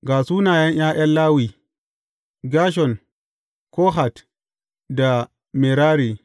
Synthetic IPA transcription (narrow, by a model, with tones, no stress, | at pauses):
ɡaː˨su˦naː˨jɐ˦ɲj̰aː˦ʔa˦nlaː˦wiː˨ | ɡaː˦ʃ̬ɔ˨n | kɔː˦ɦa˨t | da˨ | mi˨ɾaː˦ɾi˨